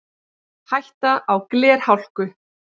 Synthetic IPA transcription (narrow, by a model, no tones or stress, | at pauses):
hajht̪aʔawklɛːɾ̥hawl̥kʏ